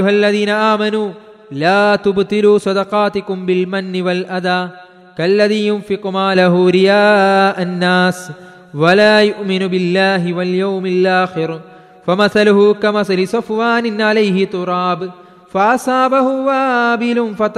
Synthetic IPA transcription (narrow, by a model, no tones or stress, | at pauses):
ʊɦalːɐðiːnɐʔaːmɐnuː | laːt̪ʊbt̪ɪluːsɑd̪ɐqɑːt̪ɪkʊmbɪlmɐnːɪwɐlʔad̪aː | kɐlːɐðiːjʊnfɪqmaːlaɦuɾɪjaːʔɐnːaːs | wɐlaːjʊʔmɪnʊbɪlːaːɦɪwɐljawmɪlʔaːxɪɾ | fɐmɐθalʊɦʊkɐmɐθalɪsʊfwaːnɪnʕalɐjɦɪt̪ʊɾˤɑːb | fɐʔasɑːbaɦʊwabɪlʊnfɐt̪